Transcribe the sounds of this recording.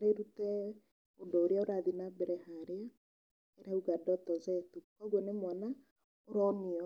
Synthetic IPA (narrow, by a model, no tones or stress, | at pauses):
ɾeɾutɛ | ondɔoɾeaoɾaðinabɛɾɛhaɾea | eɾauɣadɔtɔzɛtukɔɣwɔnemwana | oɾɔmiɔ